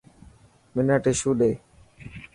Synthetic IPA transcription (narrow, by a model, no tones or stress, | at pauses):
mɪnəʈeʃuːɗeː